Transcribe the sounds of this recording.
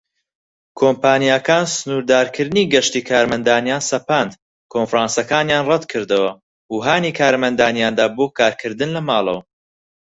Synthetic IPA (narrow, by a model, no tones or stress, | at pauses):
kʰoːmpʰaːnjakaːnsɨnuːɾd̪aːɾkʰɨɾd̪ɨniːɡɐʃt̪iːkʰaːɾmɐnd̪aːnjaːnsɐpand̪ | kʰonfɾaːnsɐkaːnjaːnrɐd̪kʰɨɾd̪ɨwɐ | huːɦaːniːkʰaːɾmɐnd̪aːnjaːnd̪aːboːkʰaːɾkʰɨɾd̪ɨnlɐmaːlˠɐ̰wɐ